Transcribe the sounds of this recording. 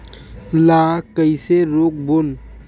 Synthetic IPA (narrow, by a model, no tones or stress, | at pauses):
lakəɪseɾok̚bon